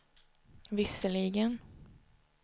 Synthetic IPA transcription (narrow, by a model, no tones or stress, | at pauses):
vɪsəɭiɡən